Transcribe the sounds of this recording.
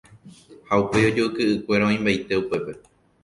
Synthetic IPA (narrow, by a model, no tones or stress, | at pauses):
haupe̞o̞d͡ʒoukɨʔɨkʷe̞ɾaõĩmbajt̪e̞upe̞pe̞